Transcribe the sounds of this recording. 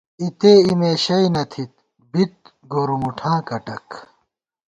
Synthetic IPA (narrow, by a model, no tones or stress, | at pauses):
it̪eːimeːɕɐjnɐt̪ʰit̪̚ | bit̪̚ | ɡoːɾumuʈʰãːkɐʈɐ̰k